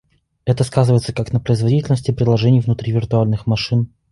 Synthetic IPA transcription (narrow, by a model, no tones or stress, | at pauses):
ɛt̪əskazɨvəɪt̪səkaknəpɾəɪzvɐdʲitʲɪlʲnəsʲtʲɪpɾʲɪd̪lˠɐʐɛnʲɪjvnʊt̪ɾʲivʲɪrt̪ʊalʲnɨxmɐʂɨn